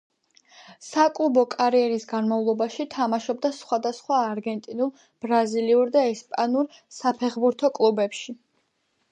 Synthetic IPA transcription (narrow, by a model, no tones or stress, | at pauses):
sakʼlˠubɔkʼaɾiɛɾisɡanmavlˠɔbaʃit̪ʰamaʃɔb̚d̪asχwad̪asχwaːɾɡɛnt̪ʼinulˠ | b̥ɾaziliuɾd̪aɛspʼanuɾ | sapʰɛχbuɾt̪ʰɔkʼlˠubɛpʃi